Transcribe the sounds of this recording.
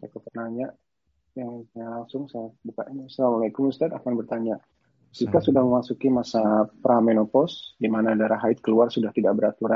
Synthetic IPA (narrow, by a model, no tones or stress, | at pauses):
sakupərnaɲa | jalaŋsʊŋsajabuka̰ʔiɲasalamalakʊmust̪at̪akanbərt̪aɲa | sikasudahməmasukimasapɾamenopɔsdimanadaɾaɦaɪt̪̚kəluarsudaht̪idaʔ̚bəɾat̪uɾa